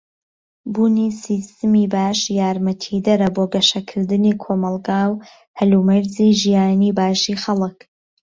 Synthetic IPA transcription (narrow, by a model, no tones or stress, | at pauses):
buːnisist̪ɨmiːbaːʃjaːɾmɐt̪ʰid̪ɐɾɐboːɡɐʃɐkʰɨɾd̪ɨniːkʰoːmɐlˠɡaːw | hɐlumɐɾziːʒijaːniːbaːʃiːxɐlɨk